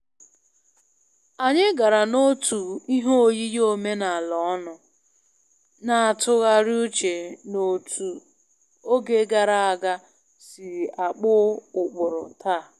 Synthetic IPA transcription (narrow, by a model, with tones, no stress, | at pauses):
a˨ɲɪ˦ɡa˨ɾa˨no˦tu˨i˦ɦo˦o˦˨ji˦jo˦me˦na˨a˨lɔ˨˦nʊ˨ | na˨a˨tʊ˦ɣa˦ɾi˦u˦t͡ʃe˨no˨tʰu˨ | o˦ɡe˦ɡa˨ɾa˦a˨ɡa˦ | sɪ˨a˨k͡pʊ˦ʊ˨k͡pʊ˨ɾʊ˨tʰaː˦˨